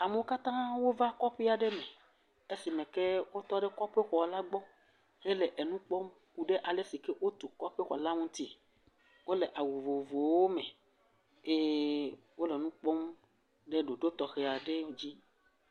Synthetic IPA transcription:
a˨me˨o˦ka˦t̪ã˦wo˦va˦kɔ˦ɸe˦a˨ɖe˦mẽ˨ | e˦si˨mẽ˨ke˦wo˦t̪ɔ˦ɖe˦kɔ˦ɸe˦xɔ˨la˦ɡ͡bɔ˦ | ɣe˦le˨ʔe˨nũ˦k͡pɔ˦m | ku˨ɖe˦ʔa˨le˦si˨ke˦wo˦t̪o˨kɔ˦ɸe˦xɔ̰˨la˦ŋũ˦t̪i˦ | wo˦le˨ʔa˨wu˨vo˨vo˨wo˦mɛ̃˨ | e˦ | wo˦le˨nũ˦k͡pɔ˦m | ɖe˦ɖo˨ɖo˦t̪ɔ˨xe˨a˨ɖe˦˨d͡ʑi˦

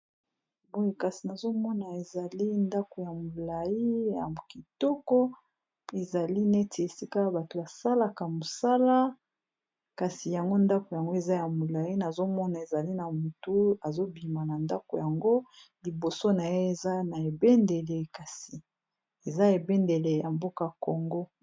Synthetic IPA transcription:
bo˦e˨ka˨si˨na˨zo˦mɔ˦na˨e˨za˨li˦nda˦ko˨ja˨mo˨la˨ji˦ja˨ki˨tɔ˦kɔ˦ | e˨za˨li˦ne˦tʰe˨e˨si˦ka˦ba˨to˨ba˨sa˦la˨ka˨mo˨sa˦la˦ | ka˨si˨ja˨ŋɡo˦nda˦ko˨ja˨ŋɡo˦e˨za˦ja˨mo˨la˨ji˦na˨zo˦mɔ˦na˨e˨za˨li˦na˨mu˨tu˦a˨zo˦bi˨ma˨na˨nda˦ko˨ja˨ŋɡo˦li˨bo˨so˦na˨je˦e˨za˦na˨e˨be˦nde˨le˨ka˨si˨ | e˨za˦e˨be˦nde˨le˨ja˨mbo˦ka˨ko˨ŋɡo˦

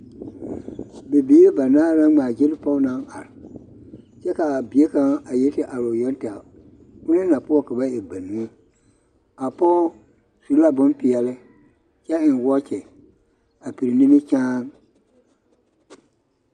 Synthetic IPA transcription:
be˨bi˦ɾɪ˦ba˨naː˦ɾa˦ŋ͡maː˨d͡ʒe˦lɪ˦pɔ˦ʊ˦na˦ŋʔa̰˨ɾɪ˨ | t͡ʃɛ˦ka˨a˨bi˨e˦ka˦ŋa˨je˦tɪ˦ʔa˨ɾo˨jɔ˦n˦ta˨ | ʊ˦nɪ˦na˨pʊ˦ɔ˦ka˨ba˦e˨ba˨nu˦ | a˨pɔ˦ | su˨ɾla˦bʊ˦npɪ˨jɛ˨lɪ˦ | t͡ʃɛ˦ɪ˨n˨wɔ˦t͡ʃɛ˨ | a˨pi˨ɾɪ˨nɪ˦mɪ˦t͡ʃaː˦ŋ

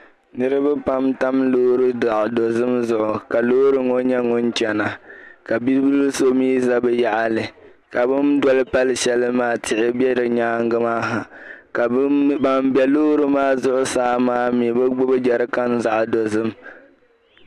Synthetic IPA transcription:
nɨ˦ɾɨ˦bɨ˦pa˦mta˦mloː˦ɾɨ˦da˨ʔdo˨zɨ˦mzʊ˦ʔʊ˨ka˨loː˦ɾɨ˦ŋɔ˦ɲɛ˦ŋɔ˦n˦t͡ʃɛ˨na˨ka˨bi˦bu˦lu˦so˦miː˦za˦bɨ˦ja˦ʔa˦lɨ˨ | ka˨bɨ˦ndwɔ˦lɨ˦pa˦lɨ˨ʃɛ˦lɨ˦maː˦tʰɪ˨ʔɪ˦bjɛ˦ɾɨ˨ɲaː˦ŋ˦ɡɨ˦maː˦ɦa˨ka˨ba˨mbɛ˨loː˦ɾɨ˦maː˦zʊ˦ʔʊ˦saː˦maː˦mi˨bɨ˦ɡ͡bʊ˦bɨ˦d͡ʒɛ˨ɾɨ˦ka˦nza˦ʔdo˨zɨ˦m

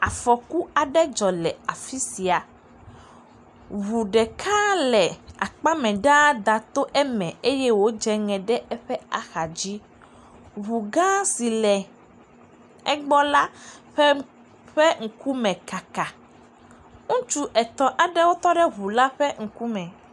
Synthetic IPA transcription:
a˨fɔ˨ku˦a˨ɖɛ˦d͡ʒɔ˨lɛ˨a˨fi˦si˨a˨ | βu˨ɖɛ˨kʰã˦lɛ˨a˨k͡pa˦mɛ̃˨ɖã˦d̪a˨t̪o˦ʔɛ˦mɛ̃˨e˦jɛ˦wo˦d͡ʒɛ˦ŋɛ̃˨ɖɛ˦ɛ˦ɸɛ˦a˨xa˨d͡ʑi˦ | βu˨ɡã˦si˨lɛ˨ | ɛ˦ɡ͡bɔ˦la˦ɸɛ˦ | ɸɛ˦ŋ̩˨ku˦mɛ̃˨ka˨ka˨ | ŋũ˦t͡ʃu˦ʔɛ˨t̪ɔ̃˨ʔa˨ɖɛ˦wo˦t̪ɔ˦ɖɛ˦ɦu˨la˦ɸɛ˦ŋ̩˨ku˦mɛ̃˨

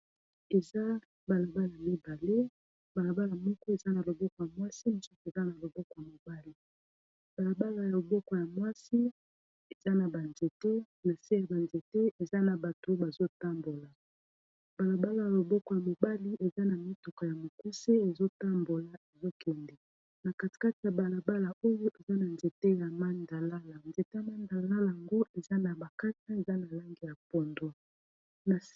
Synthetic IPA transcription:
e˨za˦ | ba˨la˨ba˦lmi˦ba˨le˦ | ba˨la˨ba˦la˨mɔ˦kɔ˦e˨za˦na˨lo˨bɔ˦kɔ˨ja˨mwa˦si˦m˨so˦ke˨za˦na˨lo˨bɔ˦kɔ˨ja˨mo˨ba˦li˦ | ba˨la˨ba˦la˨ja˨lo˨bɔ˦kɔ˨ja˨mwa˦si˦ | e˨za˦na˨ba˨nze˨te˦ | na˨se˦a˨ba˨nze˨te˦e˨za˦na˨ba˨to˨˦ba˨zo˦ta˦mbo˨la˨ | ba˨la˨ba˦la˦ja˨lo˨bɔ˦kɔ˦ja˨mo˨ba˦li˦ʔe˨za˦na˨mi˦tɔ˨kɔ˨ja˨mo˨ku˦se˦e˨zo˦ta˦mbo˨la˨e˨zo˦kɛ˨ndɛ˨ | na˨ka˨ti̥˨ka˦ti˨ja˨ba˨la˨ba˦la˨o˦jo˦ʔe˨za˦na˨nze˨te˦ja˨ma˦nda˨la˦la˨nze˨te˦ja˨ma˦nda˨la˦la˨ŋɡo˦ʔe˨za˦na˨ba˨ka˦ta˦e˨za˦na˨la˦ŋɡe˨ja˨pɔ˨ndo˦ | na˨

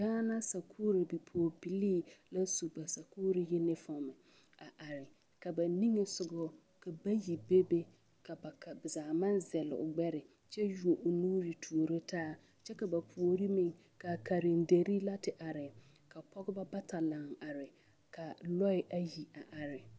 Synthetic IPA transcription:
ɡaː˦na˦sa˨kʰuː˦ɾi˨bi˨pʰo˨o˨bi˨liː˦la˦su˨ba˨sa˨kuː˦ɾi˨jɪ˦nɪ˦fɔ˨mɪ˨ | a˨ʔa˨ɾɪ˨ | ka˨ba˨ni˦ŋe˨sʊ˨ɡɔ˦ | ka˨ba˦ji˨be˦be˦ | ka˨ba˨ka˨bɪ˨zaː˨ma˦nzɛ˨lɪ̰˨ʊ̰˨ɡ͡bɛ˦ɾɪ˨ | t͡ʃɛ˦ju˨o˨ʔʊ˨nuː˦ɾi˨tʰu˨o˨ɾe˦tʰaː˦ | t͡ʃɛ˦ka˨ba˨pʰu˨o˨ɾi˦mĩ˨ŋ | ka˨ka˨ɾɪ˨n˦de˨ɾi˦la˦tɪ˨ʔa˨ɾɪ˨ | ka˨pʰɔ˦ɡɪ˦ba˦ba˦ta˨la˨ŋa˨ɾɪ˨ | kʰa˨lɔ˦ɪ˨ʔa˨ji˨a˨ʔa˨ɾɪ˨

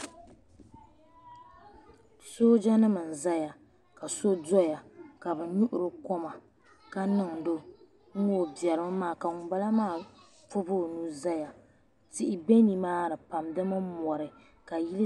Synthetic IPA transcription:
soː˦d͡ʒa˦nɨ˦mɨ˨n̩˨za˦ja˨ | ka˨so˦dɔ˦ja˨ka˨bɨ˨ɲu˦ʔʊ˨ɾɨ˨kɔ˦ma˨ | ka˦nɨ˦ŋdo˦ | ŋ̩˦ɡo˦˨bjɛ˨ɾɨ˦m˦maː˦˨ka˨ŋʊ˨ba˦la˦maː˦˨ | fʊ˦bo˦˨nu˦za˦ja˨ | tɪ˦ʔɪ˦be˦ni˨maː˦ɾɨ˨pa˨mdɨ˦mɨ˦mɔ˨ɾɨ˨ | ka˨ji˦lɨ˦

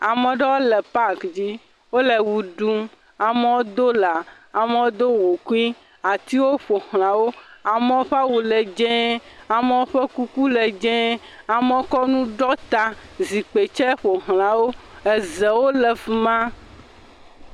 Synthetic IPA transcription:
a˨mɛ̃˨ɖɛ˦wo˦lɛ˨pa˦kd͡ʑi˦ | wo˦lɛ˨wu˨ɖu˦m | a˨mɛ˦wo˦d̪o˦la˨ | a˨me˦wo˦d̪o˦wu˨ku˦i˦ | a˨t̪i˦wo˦ɸo˨hl̃ã˨wo˦a˨mɛ̃˦wo˦ɸa˦wu˨lɛ˨d͡ʒɛ̃˦a˨mɛ˦wo˦ɸɛ˦ku˦ku˦lɛ˨d͡ʒɛ̃˦ | a˨me˦wo˦kɔ˦nũ˦ɖɔ˦t̪a˦zi˨k͡pe˨t͡ʃɛ˦ɸo˨ɦl̃ã˨wo˦ɛ˨zɛ˨wo˦lɛ˨fu˨mã˦

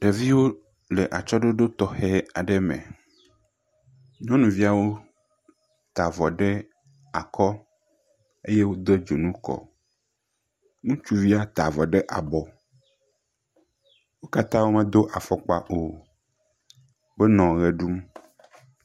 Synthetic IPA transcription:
ɖe˨vi˦wo˦ | le˨ʔa˨t͡ʃɔ˦ɖe˦ɖo˦t̪ɔ˨xe˦a˨ɖe˦mḛ̃˨ | ɲɔ̃˦nũ˨vi˦a˨wo˦ | t̪a˨vɔ˨ɖe˦ | a˨kɔ˦ | e˦je˦wo˦d̪e˦d͡ʒo˨nũ˦kɔ̰˨ | nũ˦t͡ʃu˦vi˦a˦t̪a˨vɔ˨ɖe˦ʔa̰˨bɔ˨ | wo˦ka˦t̪ã˦wo˦mẽ˦d̪o˦ʔa˨fɔ˨k͡pa˨ʔo˨ | be˦nɔ̃˨ɣe˨ɖu˦m

